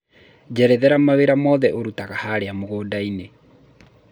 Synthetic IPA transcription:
d͡ʒɛɾɛðɛɾamaweɾamɔðɛʔoɾutaɣahaɾeamoɣoːdaine

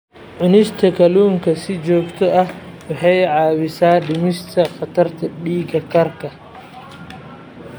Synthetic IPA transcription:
ʕʊnɪʃt̪ʰɐkʰɐluːŋkʰɐsɪt͡ʃɔːɡt̪ʰɔʔɐh | wɑħɑjʕɑːwɪsaːɖɪmɪʃt̪ʰɐχɑt̪ʰɐrt̪ʰɐɖiːɡɐkʰɐrkʰɐ

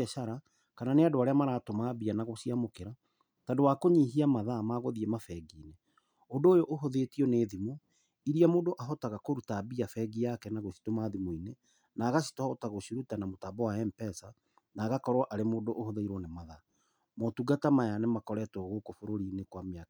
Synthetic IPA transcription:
ɛʃaɾa | kananeadoaɾeamaɾaːtomabianaɣosiamokeɾa | tandowakoɲiɦiamaðamaɣoðiɛmafɛɡiːne | odoːjoʔːɦoðetiɔneːðimo | iɾiamoːdoʔaɦɔtaɣakoɾutabiafɛɡijakɛnaɣoʃi̥tomaːðimoine | naːɣasi̥tɔotaɣoɕiɾutanamotabɔwaɛmpɛsa | naːɣakɔɾwaʔaɾemoːdoʔːhoðaiɾwɔnemaða | motuɡatamajanɛmakɔɾɛtɔɣokofoɾoɾiːnekwamea

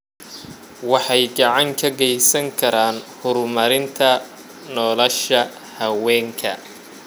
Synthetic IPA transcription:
wɑħɑjɡɑʕɑŋkʰɐɡɛjsɐŋkʰɐɾaːnhʊɾmɐɾɪnt̪ʰɐ | nɔːlɔʃɐ | hɐwɛːŋkʰɐ

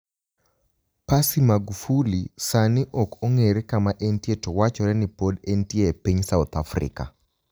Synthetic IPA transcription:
pasimaɡufulisanɪʔɔkoŋeɾekamaʔentjetowat͡ʃɔɾɛnɪpodentjepiɲsaʊt̪afrɪ̰ka̰

